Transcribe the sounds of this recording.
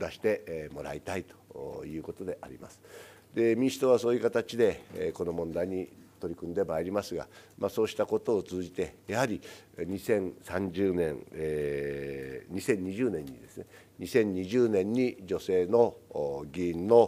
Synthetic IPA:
d̪aɕi̥t̪e̞mo̞ɾa̰it̪ait̪o̥jɯ̟ːko̞t̪o̞d̪e̞ʔaɾʲḭma̰sɨ̥ | d̪̥e̞mʲĩɕi̥t̪o̞βaso̞ːjɯ̟kat̪at͡ɕid̪e̞kono̞mõ̞nd̪aiɲ̟it̪o̞ɾʲikɯ̟̃nd̪e̞maeɾʲimasɨɡa̰maso̞ːɕi̥t̪ako̞t̪o̞ːt͡sɨːʑit̪e̞jahaɾʲiɲisẽ̞ɴsãɲd͡ʑɨːnẽ̞̰ɴ | ɲisẽ̞ɲ̟ːiʑɨːnẽ̞ɲ̟ːid̪e̞sɨne | ɲisẽ̞ɲ̟ːiʑɨːnẽ̞ɲ̟ːid͡ʑo̞se̞ːno̞ɡʲĩːnːo̞

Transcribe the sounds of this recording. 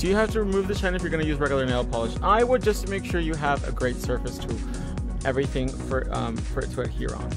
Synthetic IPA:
d̥ɨjɨhæftɨɹimʉvðɨt͡ʃʰaɪ̃nɨfjə˞ɡʌ̃nɨjʉzɹɛɡjl̩ˠə˞neɪlˠpʰɑlˠəʃaɪwəd̚d͡ʒʌstmeɪkʃʊɹjɨəvɨ̰ɡɹeɪtsɜ˞vɨstʰə | ʔɛvɹiθɪ̃ŋfə˞ʌ̃ | fə˞ɨ̰tʰəɨ̰t̚hḭɹə̰̃n

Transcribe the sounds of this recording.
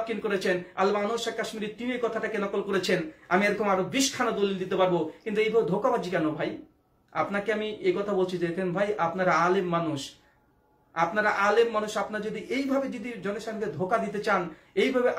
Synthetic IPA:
kːinkoɾet͡ɕʰena̰lmanoʃakaʃmiɾit̪iniekɔt̪ʰaʈakenɔkolkoɾet͡ɕʰenamieɾokʰomaɾobiʃkʰanad̪olild̪it̪epaɾbokint̪uejbʱabed̪ʱokabad͡ʑʰʱikɛnobʱaj | a̰pnakeamiekɔt̪ʰabolt͡ɕʰid͡ʑekʰenbʱajʔapnaɾaalemːanuʃ | apnaɾaʔalemːanuʃapnaɾd͡ʑod̪iʔejbʱabed͡ʑod̪id͡ʑɔneʃaŋɡed̪ʱokad̪it̪et͡ɕan | ejbʱabeʔ

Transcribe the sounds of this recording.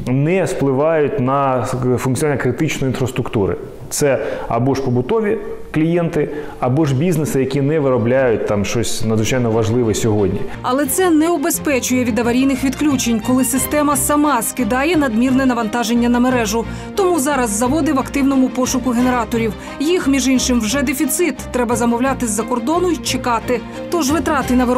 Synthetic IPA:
nɛsplˠɪʋɑjʊtʲnɐfʊnk̪t͡sʲjɔnanʲɐkɾɪt̪ɪt͡ʃnɔjinfɾɐst̪ɾʊkt̪uɾɪ̰ | t̪sɛɐ̰bɔʃpɔbʊt̪ɔʋʲi | klʲijɛnt̪ɪ | ɐbɔʒbʲiznesɪjɐkʲinɛʋɪɾɔblʲajʊt̚ʲt̪ɑmʃt͡ʃɔsʲnɐd̪zʋɪt͡ʃajnɔʋɐʒlˠɪʋɛsʲɔɦɔdʲnʲi | ɐlˠɛt̪sɛnɛɔbespɛt͡ʃʊjɛʋʲid̪ɐʋɐɾʲijnɪxʋʲid̪klʲut͡ʃenʲkɔlˠɪsɪst̪ɛmɐsɐmɑskɪd̪ɑjɛnɐd̪mʲirnɛnɐʋɐnt̪ɑʒenʲːɐnɐmeɾɛʒʊ | t̪ɔmuzɑɾɐzːɐʋɔd̪ɪʋɐkt̪ɪwnɔmʊpɔʃʊkʊɦe̞ne̞ɾɑt̪ɔɾʲiw | jixmʲiʒinʃɪmwʒɛd̪efʲit̪sɪt̪ːɾɛbɐzɐmɔwlʲɑt̪ɪzːɐkɔrd̪ɔnʊit͡ʃekɑt̪ɪ | t̪ɔʒʋɪt̪ɾɑt̪ɪnɐʋɪ

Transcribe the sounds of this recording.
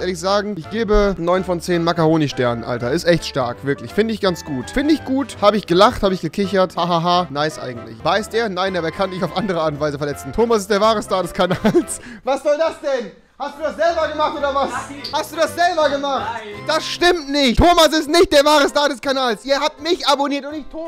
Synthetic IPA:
ʔeːɐlɪçz̥aːɡŋ̩ɪçɡ̥eːbənɔʏnfɔnt͡seːnmakaʁoːnɪʃtɛɐnənʔa̰ltɐɪstʔɛçtʃta̰ɐkv̥ɪɐklɪçfɪndəɪçɡ̥ant͡sɡ̥uːtfɪndəɪçɡ̥uːthaːbəɪçɡ̥əlaχthaːbəɪçɡ̥əkʰɪçɐthaːɦaːɦaːnaɪsʔa̰ɪɡŋ̩tlɪ̰çvaɪstʔeːɐnaɪndabaːkʰandɪçaʊfʔandəʁ̞əʔaːtʊntv̥aɪzəfɛɐlɛt͡sn̩tʰoːmasɪstd̥eːɐvaːʁəstaːɐdɛskʰanaːls | vasz̥ɔldasd̥ɛn | hastd̥uːdasz̥ɛlbɐɡəmaχtoːdɐvashast̚d̥uːdasz̥ɛlbɐɡəmaχtd̥asʃtɪmtnɪçttʰoːmasɪstnɪçt̚d̥eːɐvaːʁəstaːɐdɛskanaːlsʔiːɐhap̚tmɪçaboniːɐtʊntɪçtʰoː

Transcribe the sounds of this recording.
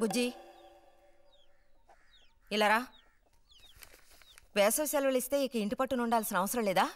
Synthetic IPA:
ɡud͡ʒi | ilːɐɾaː | beːsosjɐlʋeɭist̪eːiːkɐiɳʈipɐʈːunuɳɖaːlsinɐʋɐsɐɾɐleːd̪aː

